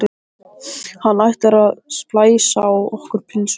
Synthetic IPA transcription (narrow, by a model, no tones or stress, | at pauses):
ɪ | hanːajht̪ɛɾaðsplaːjsaːwɔhkʏɾ̥pʰɪns